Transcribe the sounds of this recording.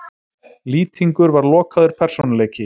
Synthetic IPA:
liːt̪ʰiŋkʏɾvaɾlɔːkaðʏɾ̥pʰɛr̥sɔnalɛːjcɪ

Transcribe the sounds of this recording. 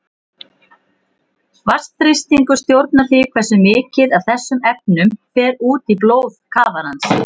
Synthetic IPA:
vast̪θɾɪst̪iŋkʏst̪jowɾt̪̚naθikʰvɛrsʏmɪːcɪðaðθɛsːʏmɛp̚nʏmfɛːɾuːt̪iploːwðkʰaːvaɾhans

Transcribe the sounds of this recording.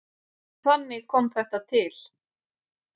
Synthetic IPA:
kvanːɪɣkʰɔmθɛht̪at̪ʰɪl̥

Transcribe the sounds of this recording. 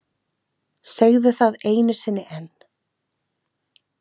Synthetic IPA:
sɛɣðʏθaðeːjnɪɾ̥sɪnːɪʔɛn

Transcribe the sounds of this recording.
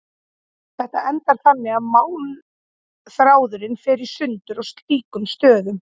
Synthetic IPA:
θɛht̪aʔɛnt̪aɾ̥θanːɪaðmaːwn | θɾaːwðʏɾɪnfɪɾɪɾ̥sʏnt̪ʏɾɔɣst̪liːkʏmst̪œːðʏm

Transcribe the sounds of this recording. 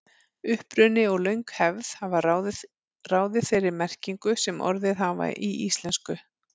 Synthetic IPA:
ʏhpɾʏnɪɔɣlœɥjŋkhɛvðhava | raːwðɪθeɾɪɾmɛr̥ciŋkʏsɛmɔ̰ɾðɪðɦava̰ʔiʔist̪lɛnskʏ

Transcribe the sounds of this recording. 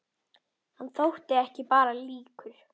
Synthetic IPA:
hanːθowht̪ɪɛhcɪpaːɾaliːkʏɾ̥

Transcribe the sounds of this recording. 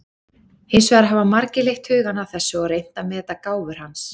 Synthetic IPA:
hɪjnsvaːɾɦavamaɾcɪlejxt̪hʏːɣanawθɛsːʏɔɾejn̥t̪amɛːɛt̪akaːwvʏɾ̥hans

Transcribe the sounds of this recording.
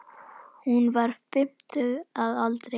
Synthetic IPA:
hunvaɾfɪmt̪əaðalt̪ɾɛ

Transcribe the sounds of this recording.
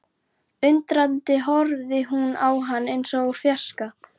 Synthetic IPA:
ʏnt̪ɾant̪ɪɦɔɾðɪɦunawɦanːejnsɔɣuɾ̥fjḁska

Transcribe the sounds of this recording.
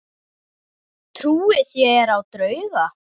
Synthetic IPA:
t̪ʰɾuːɪθjɛɛɾawt̪ɾœːɥɣa

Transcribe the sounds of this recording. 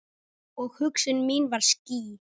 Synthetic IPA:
ɔɣhʏksʏnmiːnvaɾ̥sciː

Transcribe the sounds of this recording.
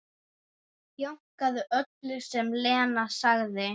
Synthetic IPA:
jowŋ̥kaðʏʔœt̪lʏsɛmlɛːnasaɣðɪ

